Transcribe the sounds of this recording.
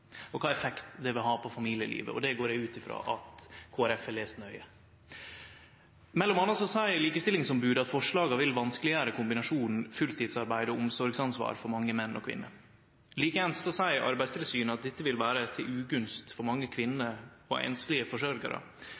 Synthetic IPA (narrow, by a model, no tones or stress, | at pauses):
ɔkʰɑːɛfɛkt̪d̪ɛʋɪlɦɑːpʰɔfɑmiːlɪəlḭːʋə̰ʔɔ̰d̪ɛɡoːɾɖɛʉːt̪ɪfɾɑ̰ːʔɑt̪kʰoːæɾɛfɛleːsnœʏə | mɛlːɔmɑnːɑsɔsæɪəɾliːkəst̪ɪlːɪŋsɔmbʉːd̪ɑt̪fɔʂɭɑːɡɑʋɪlʋɑnskəlɪæɾəkʰʊmbɪnɑʂuːnn̩fʉlt̪ʰɪːd̪sɑɾbæɪd̪ɔɔmsɔɾɡsɑnsʋɑ̰ːɾfɔɾmɑŋːəmɛnːʔɔ̰kʰʋɪ̰nːə̰ | liːkəɛnssɔsæɪəɾʔɑ̰ɾbæɪst̪ʰɪlsyːnəɑt̪̚d̪ɪt̪ːəʋɪlʋæːɾət̪ʰɪlʉːɡʉnst̪fɔɾmɑŋːəkʰʋɪnːəɔ̰ɛ̰nslɪəfɔʂɔɾɡɑ̰ɾə̰